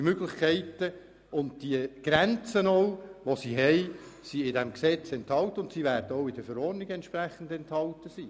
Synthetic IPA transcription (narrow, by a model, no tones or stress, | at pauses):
møɡlɪχkʰɛɪtːə | ʊnt̚d̥iəɡ̥ɾænt͡sənɔwʋosiɦɛɪsiɪdɛmksɛt͡sɛnthɑltəʊntsiʋæɾdəɔʊɪdəfəɾɔrnɪɡɛntʃpræχən̩dɛnthɑltəsiː